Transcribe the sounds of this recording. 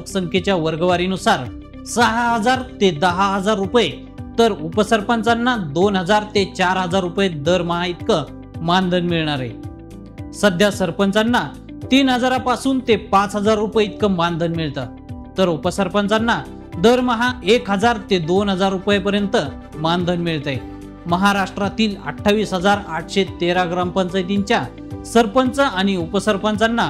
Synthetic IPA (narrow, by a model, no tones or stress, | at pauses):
ksəŋkʰet͡ɕjaʋəɾɡəʋaɾiːnusaɾ | səɦaɦəd͡zaɾt̪ed̪əɦaɦəd͡zaɾːupje | t̪əɾupəsəɾpənt͡sanːad̪onɦəd͡zaɾt̪et͡ɕaɾɦəd͡zaɾːupjed̪əɾməɦãit̪kə | mand̪ʱənmiɭɳaɾḛ | səd̪ʱjasəɾpənt͡sanːa | t̪iːnɦəd͡zaɾapasuːnt̪epat͡sɦəd͡zaɾːupjeit̪̚kəmand̪ʱənmiɭt̪ə | t̪əɾupəsəɾpənt͡sanːa | d̪əɾməɦaekɦəd͡zaɾt̪ed̪onɦəd͡zaɾːupjepəɾjənt̪ə | mand̪ʱənmiɭt̪ae | məɦaɾaʂʈɾat̪iːlə̰ʈʰːaʋiːsɦəd͡zaɾaʈʰɕet̪eɾaɡɾampənt͡səjt̪iɲt͡ɕja | səɾpənt͡səañiupəsəɾpənt͡sanːa